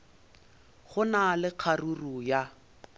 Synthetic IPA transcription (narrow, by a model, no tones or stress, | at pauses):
χʊnalɪq͡χʰaruruja